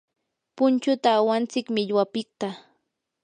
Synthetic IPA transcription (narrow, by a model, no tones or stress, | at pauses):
pʊnt͡ʃʊt̪aːwant͡sɪkmɪʎwapɪk̚t̪a